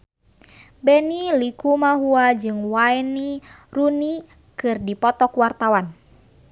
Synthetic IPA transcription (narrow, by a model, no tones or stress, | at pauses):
bɛnilikumaɦuad͡ʒɨŋwaɛniruni | kɨrdipɔt̪ɔkwart̪awan